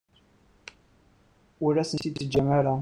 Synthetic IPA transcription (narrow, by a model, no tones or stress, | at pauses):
uɾæsənsiəd͡ʒamæɾa